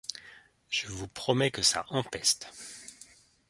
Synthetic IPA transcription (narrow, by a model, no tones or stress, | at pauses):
ʒ̥əvupχɔmɛkəsa̰ʔɑ̃pɛst̪